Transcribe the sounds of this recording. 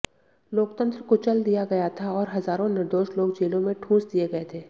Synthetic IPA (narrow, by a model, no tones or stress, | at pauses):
loːkt̪ə̃nt̪ɾkot͡ʃɐld̪ijaɡɐjat̪ʰaɔːɾɦɐzaːɾõnɪɾd̪oːʃloːɡd͡ʒeːlõmẽʈʰũːsd̪ijeɡɐet̪ʰeː